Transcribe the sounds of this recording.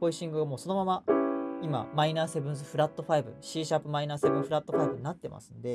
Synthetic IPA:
po̞iɕĩŋɡɯ̟ɡamo̞ːso̞no̞mamaima̰mainaːse̞bɯ̟̃ɰ̃s̬ɨɸɯ̟ɾat̪ːo̞ɸaibɯ̟̰ɕiːɕapːɯ̟mainaːse̞bɯ̃ɰ̃ɸɯ̟ɾat̪ːo̞ɸaibɯ̟ɲ̟inat̪ːe̞ma̰sɨ̃nd̪e̞

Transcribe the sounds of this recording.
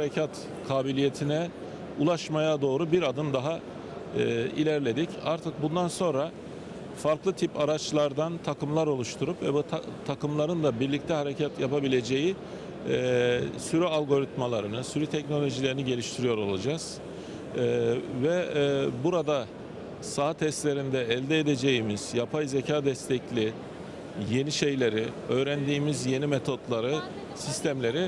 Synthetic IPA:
hɾecʰat̪ | kʰaːbilʲije̞t̪ʰinɛ | ulˠaʃmajad̪o̞ːɾubiɾad̪ɯnd̪aɦa | ḭlʲæɾlʲe̞d̪icaɾt̪ʰɯk̚bund̪anso̞nɾa | faɾklˠɯt̪ʰipaɾat͡ʃlˠaɾd̪ant̪ʰakɯmlˠaɾo̞lˠuʃt̪ʰuɾupvɛbut̪ʰakɯmlˠaɾɯnd̪abiɾlʲict̪ʰɛɦhaɾe̞cʰat̪japabilʲe̞d͡ʒeji | syɾyalʲˠɡo̞ɾit̪malˠaɾɯnɯsyɾyt̪ʰɛcno̞lʲo̞ʒilʲe̞ɾiniɟe̞lʲiʃt̪ʰiɾijo̞ɾo̞lˠad͡ʒaz̥ | vɛbuɾad̪a | saɦat̪ʰɛst̪lʲe̞ɾind̪ɛːlʲd̪ɛed̪e̞d͡ʒe̞jimiz̥japʰajzecʰaːd̪ɛst̪ʰɛclʲi | je̞niʃe̞jlʲe̞ɾɪøːɾænd̪iːmizje̞nimet̪ʰo̞d̪lˠaɾɯ | sist̪ʰæmlʲe̞ɾi

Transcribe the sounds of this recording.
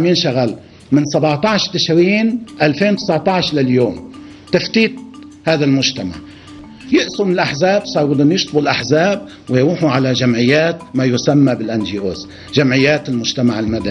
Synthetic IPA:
miːnʃaɣal | mɪnsˤabɑʕt̪ˤɑʕʃt̪ɪʃɾiːnʔalfeːnwt̪ɪsɑʕt̪ˤɑʕʃlaljoːm | t̪aft̪iːt̪̚ | haːðalmʊʒt̪ama̰ʕ | jɪʔsumnɪlʔaħzaːbsˤɑːɾˤwʊd̪unjɪʃt̪ˤbulʔaħzaːb̚ | wɪjɾuːħuʕalaʒamʕɪjːaːt̪majʊsamːabɪlʔanʒiːʔo̰ːz | ʒamʕɪjːaːt̪ɪlmʊʒt̪amaʕɪlmad̪ani

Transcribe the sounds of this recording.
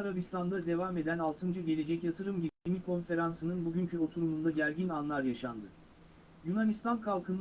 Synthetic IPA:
aɾabist̪ʰand̪ad̪e̞vame̞d̪ænalˠt̪ʰɯnd͡ʒaɟe̞lʲe̞d͡ʒɛcjat̪ʰɯɾɯmɟiimikʰo̞nfe̞ɾansɯnɯnbuɟyncʰyo̞t̪ʰuɾumund̪aɟæɾɟinanlˠaɾjaʃand̪ɯ | junanist̪ʰankʰalˠkʰɯn

